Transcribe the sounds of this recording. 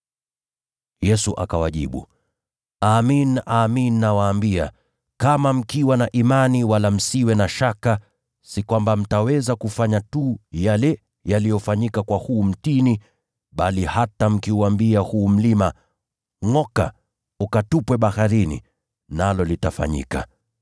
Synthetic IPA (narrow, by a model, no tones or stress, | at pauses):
jɛsuʔa̰kawaʄḭɓṵ | aːminaːminːawaːmbia̰ | kamam̩kiwanaʔimaniwalam̩siwɛnaʃaka | sikwambam̩tawɛzakufaɲatujalɛ | jalijɔfaɲikakwahuːm̩tini | ɓalihatam̩kiuwambiahuːm̩lima | ŋɔka̰ | ukatupwɛɓahaɾinḭ | nalɔlitafa̰ɲḭka̰